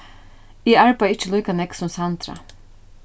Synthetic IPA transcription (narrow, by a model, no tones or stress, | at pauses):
iːæɹpaɪt͡ʃːəlɔʏkanɛksɔmsɑnt̪ɾɑ̰